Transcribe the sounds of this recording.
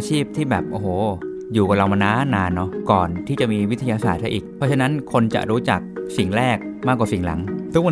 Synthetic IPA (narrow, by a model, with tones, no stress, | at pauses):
t͡ɕʰiː˥˩p̚t̪ʰiː˥˩bɛː˨˩p̚ʔoː˨˧˩hoː˩˦ | juː˨˩ka˨˩nla˧wmaː˧naː˦˥naː˧nːɔ˦˥kɔː˨˩nt̪ʰiː˥˩t͡ɕa˨˩ʔmiː˧wi˦˥t̪ʰa˧jaː˧saː˨˩t̪̚sa˧˥ʔiː˨˩k̚pʰɔ˦˥t͡ɕʰa˧na˦˥nkʰo˧nt͡ɕa̰˨˩ɾuː˦˥t͡ɕa̰˨˩k̚si˨˩ŋɾɛː˥˩k̚maː˥˩k̬̚ːwaː˨˩si˨˩˦ŋla̰˩˦ŋt̪ʰu˦˥k̚wa˧